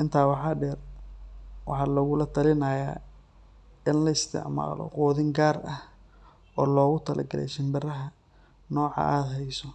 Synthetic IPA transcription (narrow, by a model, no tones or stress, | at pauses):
ʔɪnt̪ʰaːwɑħɑːɖɛːr | wɑ̰ħɑːlɐɣʊlɐt̪ʰɐlɪnɐːjaː | ɪnlɐɪst̪ʰɪ̰ʕma̰ːlɔ̰qɔːðɪŋɡaːrɐh | ɔːlɔːɣʊt̪ʰɐlɐ̰ɡɐlɛ̰ʃɪmbɐrɐɦɐ | nɔːʕɑ̰ʔaːd̪ɦɛjsɔ